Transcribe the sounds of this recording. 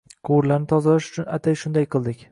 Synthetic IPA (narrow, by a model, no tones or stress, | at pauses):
qʰʊwɾlaɾnɪt̪ʰɒzalaʃʊ̥t͡ʃʰʊnat̪ʰajʃʊnd̪ajqʰɨlˠd̪ɪkʲ